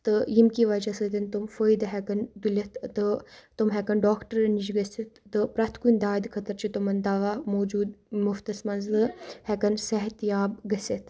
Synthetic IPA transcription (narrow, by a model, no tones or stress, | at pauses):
t̪ɨjimkiʋɐd͡ʒɐsɨt̪int̪umfəːjd̪ɦɛkɐnd̪ulʲɐt̪ʰt̪ɨt̪umɦɛkɐnɖaːkʈəɾɐnid͡ʒɡɐsit̪ʰːɨpɾɐt̪ʰkunʲd̪aːid̪kʰɐt̪ɐɾt͡ʃʰit̪umɐnd̪aʋaːmoːd͡ʒuːd̪muft̪ɐsmɐnzɨhɛkɐnsɛɦɐt̪jaːbɡɐset̪ʰ